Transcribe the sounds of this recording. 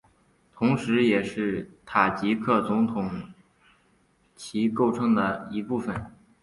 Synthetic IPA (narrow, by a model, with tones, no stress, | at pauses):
t̪ʰʊ˧˥ŋʂɻ̩˧˥jɛ˨˩ʂɻ̩˥˩t̪ʰa˨˩t͡ɕi˧˥kʰɤ˥˩t͡sʊ˧˥ŋt̪ʰʊ˨˩˥ŋ | t͡ɕʰi˧˥ko˥˩ʊʈ͡ʂʰɤ˥ŋd̪ə˨i˧˥pu˥˩fə˩n